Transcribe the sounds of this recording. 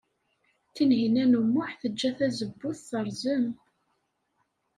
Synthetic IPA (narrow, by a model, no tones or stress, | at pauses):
θinɦinænumːʊħθəd͡ʒːæθæzəbːʊθθəɾˤzəm